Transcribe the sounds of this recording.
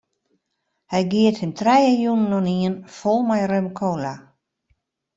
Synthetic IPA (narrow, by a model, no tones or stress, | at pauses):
hɛjɡiəthɪmtʰrɛjəjunənɔniənfolˠmajrømkʰoːla